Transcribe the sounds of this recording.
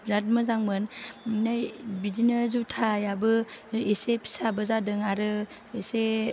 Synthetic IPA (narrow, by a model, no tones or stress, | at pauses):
ɾat̚mɯzaŋmɯnnajbidinɯzutʰajabɯesepʰi̥sabɯzadɯŋaɾɯ | ese